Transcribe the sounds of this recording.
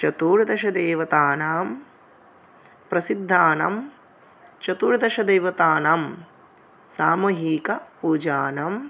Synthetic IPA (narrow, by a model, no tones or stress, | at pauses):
t͡ʃɐt̪uːɾd̪ɐʃɐd̪eːʋɐt̪aːnaːm | pɾɐsid̪ʱːaːna̰m | t͡ʃɐt̪uːɾd̪ɐʃɐd̪ejʋɐt̪aːnaːm | saːmɐɦiːkɐpuːd͡ʒaːnam